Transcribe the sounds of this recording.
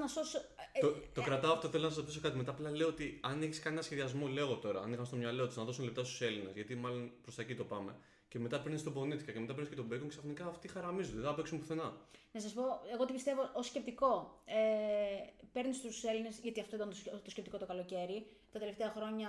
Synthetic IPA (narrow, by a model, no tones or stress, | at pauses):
nɐsosot̪o̞kɾɐt̪ɐːft̪oθe̞lonɐsɐszot̪isokɐt̪ime̞t̪aːplɐle̞oot̪iɐneçi̥skɐnenɐsçeðiɐzmole̞ɣo̞t̪o̞ɾɐɐ̰nixɐmst̪o̞mɲɐlo̞t̪uznɐðosunelept̪ɐst̪u̥se̞line̞zʝɐt̪imɐlo̞npɾosɐecit̪o̞pɐme̞̰ | ce̞me̞t̪ɐpeɾnist̪o̞bo̞nit̪ikɐceme̞t̪ɐpeɾniscet̪obekoŋkeksɐfnikɐːft̪ixɐɾɐmizud̪ðθɐpeksumpuθe̞nɐnɐsɐspo̞eɣo̞t̪ipist̪e̞voʔoscep̚t̪iko̞e | pe̞ɾnist̪use̞line̞sʝɐt̪iɐft̪ot̪ɐnt̪t̪oscept̪iko̞t̪okɐlo̞ce̞ɾi | t̪ɐt̪e̞le̞ft̪e̞ɐxɾo̞ɲɐ